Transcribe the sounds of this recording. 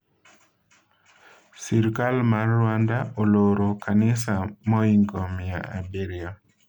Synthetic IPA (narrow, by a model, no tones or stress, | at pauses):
siɾkalmarːwandaʔoloɾokʰanɪsamɔiŋɡomia̰a̰beɾja